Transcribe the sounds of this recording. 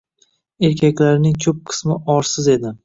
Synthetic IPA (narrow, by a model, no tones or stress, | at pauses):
e̞ɾkʲʰakʲlaɾnɪŋt͡ʃʰɵp̚qʰɨ̥smɪʔɒɾsɪze̞d̪ɪ